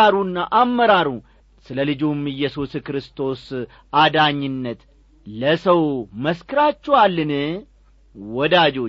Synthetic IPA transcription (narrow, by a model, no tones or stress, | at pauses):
aɾunːaʔamːəɾaɾu | sɨləlɨd͡ʒumɨjːɛsuskɾɨst̪ʰo̞s | ʔad̪aɲːɪnːət̪ | ləsəwməskɨɾat͡ʃːɛwalːɨnɨ | wɔd̪ad͡ʒo̞